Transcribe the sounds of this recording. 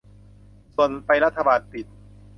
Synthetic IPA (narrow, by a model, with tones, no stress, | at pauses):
su˨˩ənpa˧jɾa˦˥t̪ʰːa˧baː˧npi˨˩t̪̚